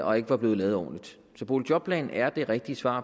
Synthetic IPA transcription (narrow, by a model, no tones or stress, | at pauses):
ɒ̽e̝ɡ̥əʋɑ̈b̥le̝ːð̩ˠlɛːð̩ˠɒ̰ːnlid̥ | sɒ̽pʰo̝lɕʰjɒ̽b̥̚pʰlɛ̰ːn̩æɐd̥e̝ʁɛɡ̥̚d̥isʋɑ̰̈ː